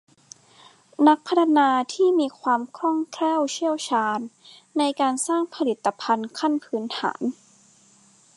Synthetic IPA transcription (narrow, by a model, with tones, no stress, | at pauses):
na˦˥k̚pʰa˦˥t̪ʰa˧naː˧t̪ʰiː˥˩miː˧kʰwaː˧mkʰɾɔ˥˩ŋkʰlɛː˥˩wt͡ɕʰi˥˩əwt͡ɕʰaː˧nːa˧jkaː˧nsaː˥˩ŋpʰa˧li˨˩t̪ːa˧pʰa˧nkʰa˥˩npʰɯː˦˥nt̪ʰa̰ː˩˦n